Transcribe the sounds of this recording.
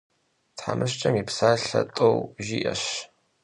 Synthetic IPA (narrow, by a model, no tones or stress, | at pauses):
tħamɨɕt͡ʃʼɐmipsaːɬɐtʼowʒiːʔɐɕ